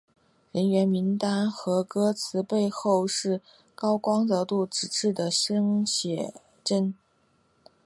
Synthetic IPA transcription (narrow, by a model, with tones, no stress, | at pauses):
ɻə˧˥nɥɛ˧˥nmi˧˥ŋt̪a˥nxɤ˧˥kɤ˥t͡sʰɹ̩˧˥pe˥˧ɪxo˥˧ʊʂɻ̩˥˩ | kɑ˥ʊkwɑ˥ŋt͡s̪ɤ˧˥t̪u˥˩ʈ͡ʂɻ̩˨˩ʈ͡ʂɻ̩˥˩d̪ə˩ʂɤ˥ŋɕjɛ˨˩ | ʈ͡ʂə˥n